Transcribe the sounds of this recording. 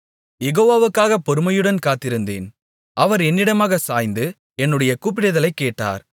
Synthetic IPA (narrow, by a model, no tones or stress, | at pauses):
jɛɣoːʋaːʋɯkːaːɣɐpːɔɾɯmɐjɯɽɐnkaːt̪ːɪɾɯnd̪ḛːn | ʔɐʋɐɾɛnːɪɽɐmaːɣɐsaːjnd̪ɯ | ɛnːɯɽɐjɐkuːp̬ːɪɽɐðɐlɐɪkːeːʈːa̰ːɾ